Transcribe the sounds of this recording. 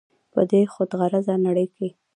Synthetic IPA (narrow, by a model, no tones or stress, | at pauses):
pə̰d̪exod̪ɣaɾazanaɽəjke